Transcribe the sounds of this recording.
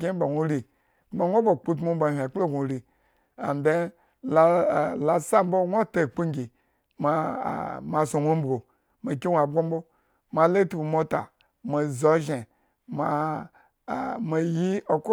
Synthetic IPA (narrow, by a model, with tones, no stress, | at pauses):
ɡʲe˦ba˨ŋʷu˦ɾi˨˦ | a˨ŋʷo˦bo˨k͡pu˦t̬mo˦m˦ba˨hʲa˨k͡plo˦ɡʷu˨ɾi˨ | a̰˨nde˦ | la˨la˨sa˦m˦bo˦ŋʷo˦ta˨k͡pu˦ŋ˦ɡʲi˨ | ma̰˨ma˧so˨ŋʷo˦m̩˦bɡo˨ | ma˨kʲi˦wʷa˨bɡʷo˦m˦bo˦ | ma˨le˦tu˦bu˨mo˦ta̰˨ | ma˨zo˨ʒe˨ | ma˨ | ma˨ji˦o˨ko˦